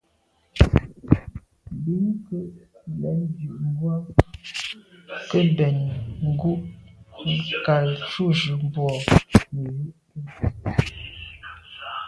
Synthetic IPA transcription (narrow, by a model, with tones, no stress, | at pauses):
bi˨˦ŋkə˦ʔlɛ˨˦ndʉ˨ʔŋ˦ɡwa˦ | kə˦bɛ˨n˨ŋ̩˦ɡu˦ʔ | ka˨lt͡ʃu˦˨ʒʉ˨m˦bwɔ˨mə˨ji˦ʔtə˦˨